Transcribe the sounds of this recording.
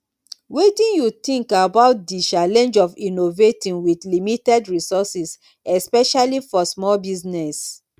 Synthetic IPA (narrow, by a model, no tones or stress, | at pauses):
wedĩnjutĩŋkabaʊt̚dit͡ʃalɛ̃nd͡ʒɔvinovetĩnwiθlimitɛdɹisɔsis | ɛspɛʃalifɔsmɔlbiznɛs